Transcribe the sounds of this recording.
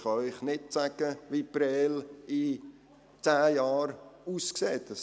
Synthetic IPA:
χɑʏɪχnɪt̚sæɡ̥əʋipɾɛːlɪ | t͡sæːjɑːɾuːskseːt̚dəs

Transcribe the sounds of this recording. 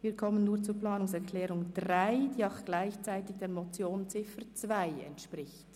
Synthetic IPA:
viːɐɾkʰɔmənːuːʁt͡suːplaːnʊŋsɛɾkʰlɛːɾʊŋdʁaɪd̥iːaʊxɡ̥laɪçt͡saɪtɪçd̥eːɐmɔt͡sjoːnt͡sɪfət͡svaɪɛ̰ntʃpʁɪçt

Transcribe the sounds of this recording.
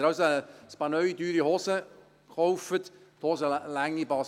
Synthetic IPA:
ɾɑwsəspɑnœʏd̪yːɾihɔsə | kɔwfət̪ | t̪hɔːsəlæŋːibɑs

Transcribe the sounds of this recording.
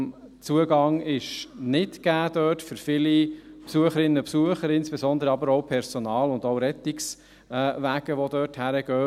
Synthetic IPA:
t͡suəɡɑŋɪʃnɪtɡ̥æːd̥œːtfʏɾfɪlipsuəχəɾɪnːəpsuəχəɾɪnsb̥ezɔnd̪əɾəɑbəɾɔʊpʰɛɾsɔnɑːlʊnd̪ɔʊɾɛt̪iks | ʋæɡ̥əʋɔd̪œːthæɾəɡ̥œː

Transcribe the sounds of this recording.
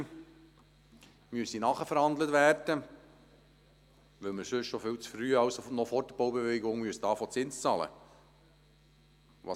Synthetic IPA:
myəsinɑːχəfəɾhɑnd̪lətvæːrd̥ə | ʋɪlməɾsʏʃʃofɪwt͡sfɾyːɑwsonɔfɔɾdəboʊwbeveɡoŋmyəsd̥ɑːfɔt͡sɪnst͡sɑːlə̰ | ʋɑ

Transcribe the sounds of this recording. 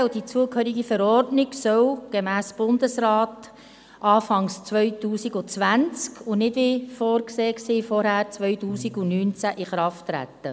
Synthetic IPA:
ld̥it͡suəkhœːɾiɡifəɾɔrdnɪɡsœwɡ̥emæːsb̥ʊndəsɾaːt | ʔɑːfɑŋst͡sʋœʏtuːsiɡʊt͡sʋænt͡skʰʊnɪdʋifoːrkseːksiːfɔɾhæːɾt͡sʋœʏtuːsiɡʊnyːnt͡sæʔiχɾɑftːɾæ̰t̪ːə

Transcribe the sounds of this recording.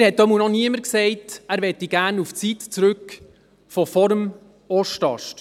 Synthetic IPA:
æɾhɛt̪̚dɔmunɔniəməɾksɛɪtæɾvɛt̪ːiɡ̥æːɾnuft͡sit̪t͡sɾʉk | fɔfɔɾm | ɔʃtɑ̰ʃt

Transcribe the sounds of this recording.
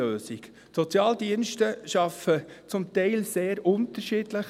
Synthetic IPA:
øːsik | sɔt͡sjɑːldiənʃtəʃɑfət͡sʊmtɛɪlseːɾʊnt̪əɾʃiːdləχ

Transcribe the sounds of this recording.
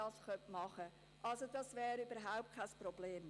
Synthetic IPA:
ɑːsχœnpmɑχə | ʔɑlsodɑsvɛːɾybəɾɦaʊp̚t̚kʰaɪsprɔbleːm

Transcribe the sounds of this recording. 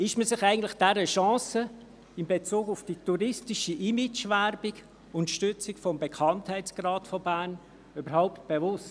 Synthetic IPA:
ɪʃməsɪχæɪɡən̩tlɪχd̥ɛɾəʃɑ̃ːsə | ɪmbet͡suːɡʊfd̥ituɾɪstɪʃəʔimɪt͡ʃvæɾbɪɡ | ʊntʃtʏt͡sɪkfɔmbekʰɑnthɛɪt͡sɡ̥rɑːtfɔbæːn | ybəɾhaʊpt̚b̥evʊst

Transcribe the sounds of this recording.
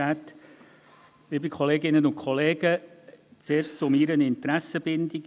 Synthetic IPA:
æːt̪ | ɪːbikʰɔleːɡɪnənʊntkʰχɔleːɡət͡seːɾst͡sʊmiɾənɪnt̪ɾæsəb̥ɪndɪk

